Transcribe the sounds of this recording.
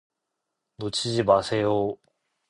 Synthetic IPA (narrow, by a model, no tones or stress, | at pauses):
not͡ɕʰid͡ʑimasʰe̞jo